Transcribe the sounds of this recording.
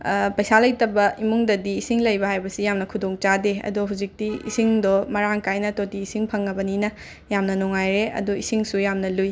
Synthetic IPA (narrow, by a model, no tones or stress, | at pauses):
pɐjsalɐjtɐbɐimuŋdɐdiːsiŋlɐjbɐhajbɐsijamnɐkʰudoŋt͡ʃadeɐ̰duɦuwzik̚tiḭsiŋdɔmɐɾaŋkajnɐtotiːsiŋpʰɐŋːɐbɐninɐ | jamnɐnɔŋajɾeɐ̰duisiŋsujamnɐluj